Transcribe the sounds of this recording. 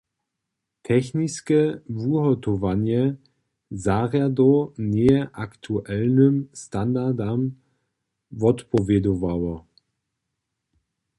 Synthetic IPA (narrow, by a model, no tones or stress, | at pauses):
tʰɛçniskəvuɦɔtɔvanjɛ | zaʁjadɔneəʔaktʰuʔɛlnəmstandadam | vɔtpʰɔvɛdovawɐ